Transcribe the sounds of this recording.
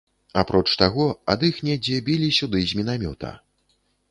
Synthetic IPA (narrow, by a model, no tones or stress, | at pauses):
apɾʔɔt͡ʂt̪aɣɔa̰d̪ɨxnʲɛd͡zʲɛbʲilʲisʲud̪ɨzʲmʲinamʲɔ̰t̪ɐ̰